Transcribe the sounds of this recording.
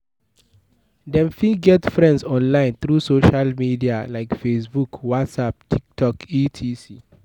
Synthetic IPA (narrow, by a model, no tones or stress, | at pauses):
dɛ̃nfĩɡɛtfɹɛ̃ndsɔ̃nlãɪ̃nθɹusoʃalmidialaɪkfesbukwatsap̚tʰik̚tʰɔkitʰisi